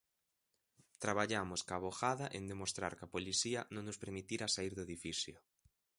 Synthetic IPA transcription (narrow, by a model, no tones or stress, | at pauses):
t̪ɾaβ̞aʎamʊskaβ̞oxaðɐʔend̪emost̪ɾa̰ɾkapoliθiɐnõŋnʊspeɾmit̪iɾasaiɾðoeðifiθjo